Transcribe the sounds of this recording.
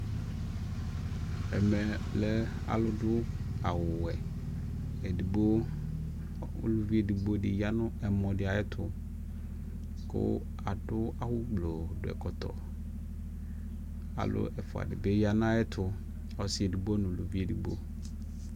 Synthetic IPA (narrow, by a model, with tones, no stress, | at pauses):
ɛ˨mɛ˨lɛ˦ | a̰˨lʊ˦dʊ˦ | a˨wʊ˨wɛ˨ | e˨di˨bo˦ | ṵ˦lu˦vi˦e˨di˨bo˦dɪ˨ja˦nʊ̃˦ɛ˨mɔ̃˨dɪ˨a˨ɛ˦t̪ʰʊ˦ | kʊ̰˦ | a˨ɖʊ˦a˨wʊ˦ɡ͡blo˨dʊ˨ɛ̰˨kɔ˨t̪ɔ̰˨ | a̰˨lʊ̰˦ɛ˨fʊ˨a̰˨dɪ̰˨be˦ja˦nã˦ã˦ɛ˦t̪ʰʊ˦ | a˨wsɪ˦e˨di˨bo˦nʊ̃˨lu˨vi˦e˨di˨bo̰˦